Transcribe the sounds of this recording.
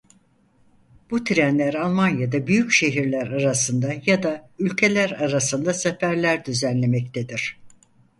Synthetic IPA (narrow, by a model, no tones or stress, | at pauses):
b̥ut̪ʰiɾænlʲæɾalˠmanjad̪abyjycʃe̞ɦiɾlʲæɾaɾasɯnd̪ajad̪aylʲcʰe̞lʲæɾaɾasɯnd̪asefæɾlʲæɾd̪yzænlʲe̞mɛc̚t̪ʰed̪iɾ̥